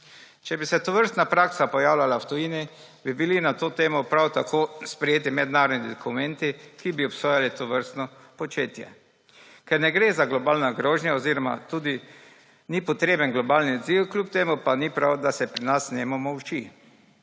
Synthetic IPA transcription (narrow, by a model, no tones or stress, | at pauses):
t͡ʃɛbisɛt̪ɔʋəɾst̪napɾaksapɔjaːwlʲalawt̪ɔjiːni | bibilinat̪oːt̪eːmɔpɾawt̪akoːspɾɛjeːt̪imɛd̪naːɾɔd̪nid̪ɔkumɛnt̪ikibiɔpsoːjalit̪ɔʋəɾst̪nɔ | pɔt͡ʃeːt̪jɛ̰ | kɛɾnɛɡɾezaɡlɔbaːlnaɡɾoːʒnʲjaɔziːɾɔma̰t̪uːd̪i | nipɔt̪ɾeːbənɡlɔbaːlniɔd̪ziwkljup̚t̪eːmupanipɾawd̪asɛpɾinasnɛmɔmɔwt͡ʃi